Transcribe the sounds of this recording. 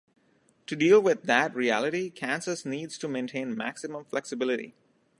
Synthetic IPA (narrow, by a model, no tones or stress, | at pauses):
ʈuɖiːlˠwɪd̪ːæʈɾiælɪʈikʰæ̃nsəsniːɖz̥ʈumẽːnʈʰẽːnmæ̰ksɪmə̃mflɛksɨbɪlɪʈḭ